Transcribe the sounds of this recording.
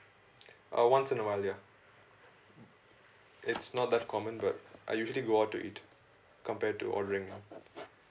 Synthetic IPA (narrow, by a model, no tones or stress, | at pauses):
ʔə̰wʌ̃nsɪ̃nːomalia | ɪtsnɔt̚d̪ætkʰɔmə̃nbʌtʔa̰ɪjuːʒəliɡoːaʊʈːṵʔḭt | kə̃mpɛːɖ̚ʈṵʔɔ̰ɖəɾɪ̃ŋũ